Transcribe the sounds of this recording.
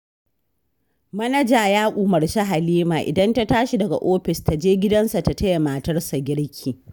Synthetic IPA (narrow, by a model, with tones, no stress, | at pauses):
mɐ˦nɐ˦d͡ʒaː˨jaː˦kʷʼuː˨mɐ˨rʃa˦ɦa˨liː˦maː˨ʔɪ̰˨dɐ˦nta˦taː˦ʃi˨dɐ˨ɡa̰˨ʔoː˦ɸɪ˨sta˨d͡ʒeː˦ɡʲɪ˦dɐ˦nsa˨ta˨tɐ˦ja˨maː˨tɐ˦rsa˨ɡʲɪ˦ɽkʲʰiː˨